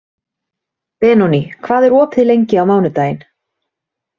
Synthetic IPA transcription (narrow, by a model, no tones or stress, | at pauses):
pɛːnɔnikʰvaːðɛɾɔːpɪlejɲcɪawmaːwnʏt̪aːjɪn